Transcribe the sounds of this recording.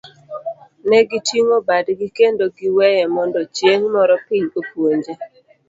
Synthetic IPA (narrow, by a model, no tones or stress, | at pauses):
nɛɡitiŋobadɡikendoɡɪwɛjɛmɔndɔt͡ʃjeŋmɔɾɔpɪɲopwoɲd͡ʒe